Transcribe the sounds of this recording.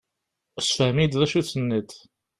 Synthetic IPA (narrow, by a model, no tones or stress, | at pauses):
sfæmid̪ðæʃut͡sːənːət̪